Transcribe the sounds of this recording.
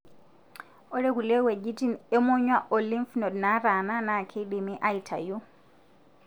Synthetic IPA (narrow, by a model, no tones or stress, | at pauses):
ʔɔɾɛkulɛwɛd͡ʒitinɛmɔɲwaʔolimfnɔdnaɾananakʰeɗimiʔajtʰa̰ju